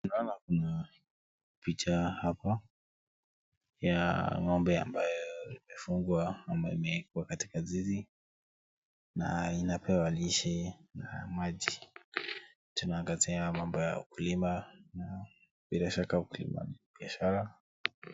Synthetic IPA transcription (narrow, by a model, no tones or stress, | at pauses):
unaɔnakuna | pit͡ʃahapa | jamambɛa̰mbajɔimɛfuŋɡwaamaimɛkuwakati̥kazizi | na̰inapʰɛwaliʃɛna̰maʄi | tunaːŋɡaziamambɔja̰ṵkulimana | bilaʃakaukulḭma̰nibiaʃaɾa